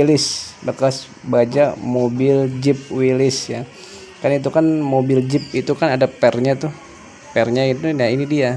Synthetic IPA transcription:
ilɪsbəkas | bad͡ʒamobɪld͡ʒɪp̚wilɪsja | kanait̪̬ukanmobɪld͡ʒɪp̚it̪ukanadapɛrɲat̪ʊh | pɛrɲait̪uainidia

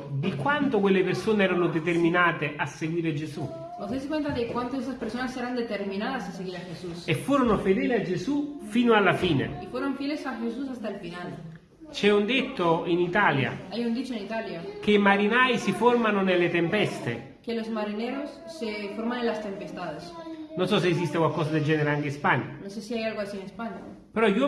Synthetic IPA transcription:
d̪ikwant̪ʊkwelːepeɾsoːneɛːɾanʊd̪et̪erminaːt̪eʔasːeɡwiːɾed͡ʒesu | nozd̪ejs̬ekwent̪aðekwant̪oes̬t̪aspeɾsonasːeɾand̪et̪eɾminaðasaseɣiɾaxesusefːuːɾonʊfed̪ɛːliad͡ʒesufiːnoalːafiːnḛifweɾoɱfjelesaʝesus̬ast̪aelfinal | t͡ʃɛund̪et̪ːoinit̪alja̰ajund̪it͡ʃoenit̪aljak̟eimaɾinajsifoɾmanonelːet̪empɛst̪ḛ | kelozmaɾineɾosːefoɾmanẽnlast̪empest̪aðesnonsɔs̬eːs̬ist̪ekwalkɔːsad̪eld͡ʒɛːneɾeaŋk̟espaɲːa̰nonsesiajalɣoasienespaɲa | peɾɔʎwɔ

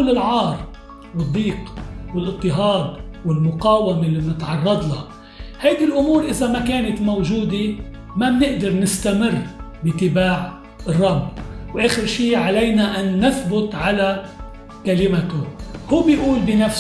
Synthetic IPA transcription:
lːɪlʕɑːɾˤ | wɨd̪ˤːiːqwɪlʔɨt̪ˤːɪɦɑːd̪̚ˤwɪlmʊqɑːwamelːimnɪt̪ʕɑrˤːɑd̪ˤlɑ̰ | hajd̪ilʔʊmuːɾʔɪzamakeːnat̪mowʒuːd̪e | mabnɪʔd̪ɑɾnɪst̪amɪrːbɪt̪ɪbaːʕ | rˤːɑbːwʔeːxɪɾʃiːʕalejnaʔanːɪθbʊt̪ʕala | kalɪmat̪ʊhuːbɪʔuːlbɪnaf

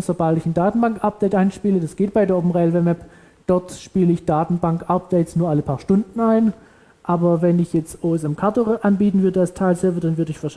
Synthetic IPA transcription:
sobaltɪçn̩daːtn̩baŋkʔap̚d̥eɪtʔaɪnʃpiːlədasɡ̥eːt̚b̥aɪdeːɐʔoːpm̩nʁɛlvɛːmɛp | d̥ɔɐtʃpiːləɪçd̥aːtn̩baŋkʔap̚d̥eɪtsnuːɐʔaləpʰaːɐʃtʊndn̩aɪn | ʔaːbɐvɛnɪçjɛt͡stʔoːɛs̬ɛmkʰaɐtoʔanbiːtn̩vʏɐdəalstʰaɪlsɛɐvədanvʏɐdəɪçfɛɐʃ

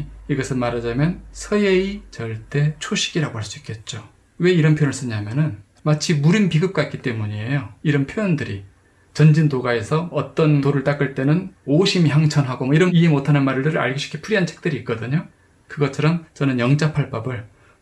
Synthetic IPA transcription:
iɡʌsʰɯnmaɾad͡ʑamjʌnsʰʌjeit͡ɕʌɭt͈e̞t͡ɕʰoɕʰi̥ɡiɾaɡohaɭs͈uik͈ʰe̞t̚t͡ɕ͈o | we̞iɾʌnpʰjonɯɭs͈ɯɲamjʌnɯn | mat͡ɕʰimuɾɯnpiɡɯp̚k͈aitk͈it͈e̞muɲiejoiɾʌnpʰjojʌndɯɾi | t͡ɕʌnd͡ʑindoɡae̞sʰʌʌt͈ʌntoɾɯɭt͈ak͈ɯɭt͈e̞nɯnoɕʰimiçjaŋt͡ɕʰʌnɦaɡomʌiɾʌniemotʰanɯnmaɾɯɭtɯɾɯɾa̰ɭɡoɕʰi̥kʰepʰuɾiɦant͡ɕʰek̚t͈ɯɾiːt̚k͈ʌdɯɲo | kɯɡʌt͡ɕʰʌɾʌmt͡ɕʌnɯnjʌŋd͡ʑapʰaɭp͈ʌbɯɭ

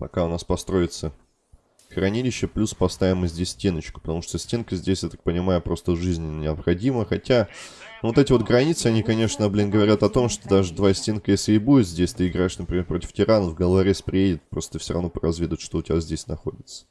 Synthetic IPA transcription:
pɐ̰kaʊnaspɐst̪ɾo̞ɪt̪sə | xɾɐnʲilʲɪɕːəplʲuspɐst̪avʲɪməzʲdʲesʲsʲtʲenːət͡ɕkʊ̥pət̪ɐmuʂt̪osʲtʲenkəzʲdʲesʲjat̪ak̚pənʲɪmajʊpɾo̞st̪əʐɨzʲnʲɪnʲɪɐpxɐdʲiməxɐtʲanvo̞t̪ɛtʲɪvo̞t̪ɡɾɐnʲit̪sɨɐnʲikɐnʲe̞ʂnəblʲinɡəvɐɾʲat̪ɐt̪o̞mʂt̪od̪aʐɨd̪vasʲtʲenkəjesʲlʲɪɪbudʲɪt̪zʲdʲesʲt̪ɨɪɡɾaɪʂnəpɾʲɪmʲerpɾo̞tʲɪ̥ftʲɪɾanəvɡɐlˠaɾʲespɾʲɪjedʲɪt̪̚pɾo̞st̪əɨfsʲoɾɐ̰vnopəɾɐzvʲed̪ʊvɪt̪ʂt̪o̞ʊtʲɪbʲazʲdʲesʲnɐxo̞̰dʲɪt̪sə̥

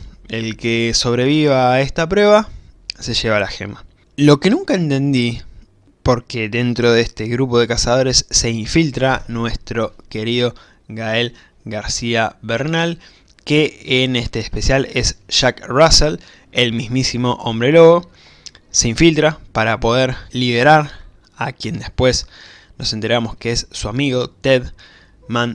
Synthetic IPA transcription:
elkeso̞βɾe̞βiβae̞st̪apɾwe̞βa | se̞ʃeβ̞alaxḛma | lo̞ke̞nũŋkae̞nt̪e̞nd̪i | po̞ɾke̞ðe̞nt̪ɾo̞ðest̪e̞ɣɾup̬o̞ð̞e̞kasað̞o̞ɾe̞sːe̞iɱfilt̪ɾanwe̞st̪ɾo̞ke̞ɾiðo̞ | ɣae̞l | ɣaɾsiaβeɾnal | keːne̞st̪e̞ːspe̞sjale̞sʃakrasel | e̞lmizmisimo̞ʔombɾe̞loɣo | se̞iɱfilt̪ɾapaɾapo̞ð̞eɾliβe̞ɾaɾ | akje̞nd̪e̞spwe̞s | no̞se̞nt̪e̞ɾamo̞skeesːuamiɣo̞t̪eð | mãn

